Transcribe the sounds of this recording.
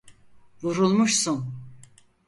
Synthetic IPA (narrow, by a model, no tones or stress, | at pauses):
vuɾulˠmuʃsun